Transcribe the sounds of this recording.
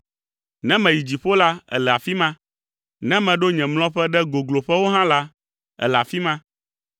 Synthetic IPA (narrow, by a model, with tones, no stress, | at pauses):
nɛ̃˦mɛ̃˨ji˨d͡ʑi˨ɸo˦la˦ɛ̰˨lɛ˨a˨fi˦mã˦ | nɛ̃˦mɛ̃˨ɖo˦ɲɛ̃˨ml̃ɔ̃˦ɸɛ˦ɖɛ˦ɡo˨ɡlo˨ɸɛ˦wo˦ɦã˦la˦ | ɛ̰˨lɛ˨a˨fi˦mã˦